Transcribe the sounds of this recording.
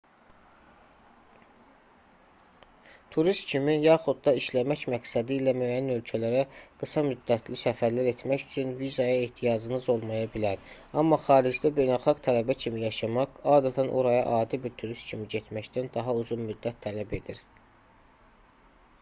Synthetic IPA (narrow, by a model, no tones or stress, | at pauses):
t̪ʰuɾist̪cʰimijɑːχud̪̚d̪ɑiʃlæmæcmæksæd̪iːlæmøjænø̞lcʰælæɾæɡ̥ɯsɑmyd̪ːæt̪ʰlisæfæɾlæɾe̞t̪ʰmæcyt͡ʃʰynvizɑjɑeht̪ʰijɑd͡ʒɯnɯzo̞lˠmɑjɑbilæɾ | ɑmːɑχɑːɾid͡ʒd̪æbe̞jnælˠχɑɡt̪ʰælæbæcʰimijɑʃɑmɑqɑːd̪æt̪ʰænʔo̰ɾɑjɑʔɑːd̪ibiɾt̪ʰuɾist̪cʰimiɟet̪ʰmæct̪ænd̪ɑɦɑuzunmyd̪ːæt̪ʰːælæbe̞d̪iɾ